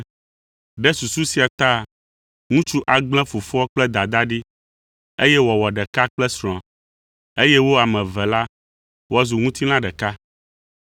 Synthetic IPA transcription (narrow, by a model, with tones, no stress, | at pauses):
ɖɛ˦su˨su˦si˨a˨t̪a˦˨ | ŋũ˦t͡ʃu˦ʔa˨ɡ͡bl̃ɛ̃˦fu˨fɔ˦ɔ˦k͡plɛ˦d̪a˨d̪a˦ɖi˦ | e˦jɛ˦wɔ˨wɔ˨ɖɛ˨ka˦k͡plɛ˦sɾ̃ɔ̃˨ | e˦jɛ˦wo˦a˨mɛ̃˨vɛ˨la˦ | wɔ˦zu˨ŋũ˦t̪i˦nã˦ɖɛ˨ka˦